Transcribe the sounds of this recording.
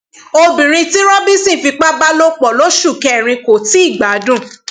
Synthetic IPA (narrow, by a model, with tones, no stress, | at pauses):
o˧bĩ˨ɾ̃ĩ˧ti˦ɾɔ̃˦bi˦sĩ˦˨fi˧k͡pa˦ba˦lo˦k͡pɔ˨lo˦ʃu˦˨kɛ˧˦˨ɾ̃ĩ˧ko˨ti˦i˦˨ɡ͡ba˨˦dũ˦˨